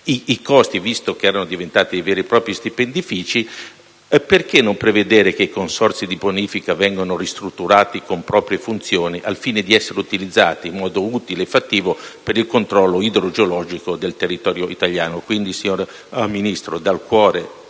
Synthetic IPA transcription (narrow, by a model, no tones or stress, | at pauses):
iːkɔst̪ivist̪ok̟eɛːɾanod̪ivent̪aːt̪id̪eveːɾipɾɔːpɾjist̪ipend̪ifiːt͡ʃi | ɛperkenːompɾeved̪eːɾekeikonsɔrt̪sid̪iboniːfikavɛŋɡonorist̪ɾut̪ːuɾaːt̪ikompɾɔːpɾjefunt̪sjoːniʔalfiːned̪iɛsːeɾeut̪ilid̪zːa̰ːt̪iːmːɔːd̪ouːt̪ileːfːat̪ːiːvopeɾilkont̪ɾɔlːoid̪ɾod͡ʒeolɔːd͡ʒikod̪elt̪erːit̪ɔːɾjoit̪alːjaːnokwind̪isiɲːoːɾa | minist̪ɾod̪alkwɔːɾe